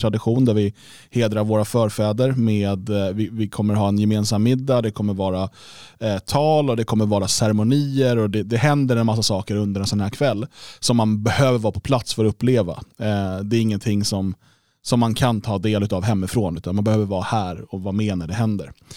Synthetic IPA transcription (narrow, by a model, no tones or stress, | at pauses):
t̪ʰɾad̪ɪɧuːnd̪æɾvɪ | heːd̪ɾaɾvoːɾafœːɾfɛːd̪əɾmeːd̪vɪvɪkʰɔmːəɾɦɑːɛnjɛmeːnsamːɪd̪ːad̪ɛkʰɔmːəɾvɑːɾa | t̪ʰɑːlɔd̪ɛkʰɔmːəɾvɑːɾasæɾɛmʊniːəɾɔd̪ɛd̪ɛɦɛnd̪əɾɛnmas̬ːasɑːkəɾɵnd̪əɾɛnsɔnhæːkʰvɛlːsɔmːanbɛhøːvəɾvɑːpʰɔ̥pʰlat̪sfœɾɔɵpːleːva̰d̪ɛːɾɪŋːənt̪ʰɪŋːsɔm | sɔmːankʰant̪ʰɑːd̪eːlʉ̟t̪avɦɛmːɪfɾoːnʉ̟ːt̪anmanbɛhøːvəɾvɑːɾahæːɾɔvameːnaɖɛɦɛnd̪ə̰ɾ